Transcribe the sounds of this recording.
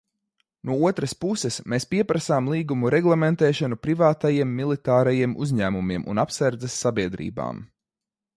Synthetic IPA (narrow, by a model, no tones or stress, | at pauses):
nuɔuɔt̪ɾɐspusɛsmeːspiɛpɾasaːmlˠiːɡumuɾʔɛɡlˠɛmɛnt̪ɛːʃanupɾivaːt̪ajiɛmːilˠit̪aːɾajiɛmʔuzʲɲæːmumiɛmṵnapsaɾd̪zɛsːabiɛd̪ɾḭːba̰ːm